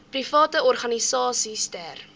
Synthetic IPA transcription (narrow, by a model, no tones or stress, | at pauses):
prifɑːtəɔrχɐnisɑːsistær